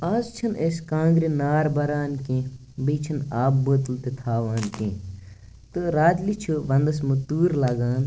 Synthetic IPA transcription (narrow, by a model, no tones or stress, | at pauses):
aːzt͡ʃʰɐnʔeskãːŋɡɾinaːɾbɐɾaːnkẽ | beːt͡ʃʰɐnaːbːəːt̪lt̪et̪ʰaːʋaːnkẽː | t̪ɨɾaːd̪lit͡ʃʰuʋɐnd̪ɐsmut̪uːɾlaːɡaːn